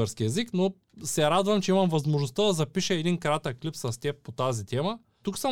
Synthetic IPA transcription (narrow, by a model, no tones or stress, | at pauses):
ɛɾskiɛzikno | sɛɾad̪vɐmt͡ʃɛimɐmvɐzmoʒnost̪ad̪ɐzɐpiʃɛɛd̪inkɾat̪əkːlipsɐst̪ʲɛppot̪azit̪ɛmə | t̪uksə